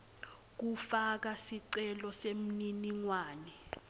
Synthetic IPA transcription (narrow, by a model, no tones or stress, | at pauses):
k̬ufak̬asiǀɛlɔsem̩niniŋwaːnɛ